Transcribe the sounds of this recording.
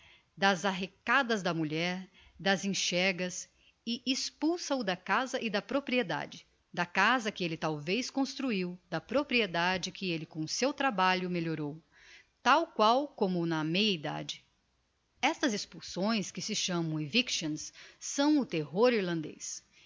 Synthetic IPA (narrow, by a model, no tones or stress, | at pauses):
d̪ɐzaɦekad̪ɐzd̪ɐmuʎɛɾ | d̪ɐzẽʃɛɾɡɐs | ɪʔispuwsɐʊd̪ɐkazɐʔɪd̪ɐpɾopɾied̪a̰d͡ʒɪ | d̪ɐkazɐkɪelɪt̪awvejskõst̪ɾuiwd̪ɐpɾopɾied̪ad͡ʒɪkʰɪelɪkõsewt̪ɾabaʎʊmeʎoɾow | t̪awkwawkõmʊnɐmejɐid̪a̰d͡ʒɪ | ɛst̪ɐzespuwsõj̃skɪsɪʃɐ̃mɐ̃w̃ĩvikʃɐ̃nsːɐ̃w̃ʊt̪eɦoɾiɾlɐ̃nd̪ḛjs